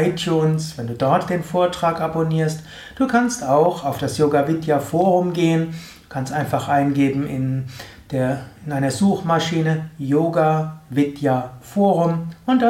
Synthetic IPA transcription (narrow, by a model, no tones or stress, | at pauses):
ɪtʰjuːnsv̥ɛnduːdɔɐtd̥eːnfoːɐtʁ̥aːkʔaboniːɐst | d̥uːkʰanstaʊxaʊfd̥asjoːɡavɪtjafoːʁʊmɡeːəndu̥kʰanstʔaɪnfaχʔaɪnɡeːbm̩ʔɪn | d̥eːɐɪnʔaɪnɐzuːxmaʃiːnəjoːɡavɪtjafoːʁʊmʔʊntd̥a